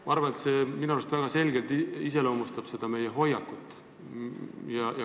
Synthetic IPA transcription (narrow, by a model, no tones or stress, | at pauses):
mɑɑrvɑne̞t̪se̞minuɑlst̪væɡ̥ɑse̞lʲɡe̞lt̪iis̬e̞leomust̪ɑb̥se̞d̪̥ɑme̞jeɦo̞jːɑkːˑut̪ːˑ | jɑjɑ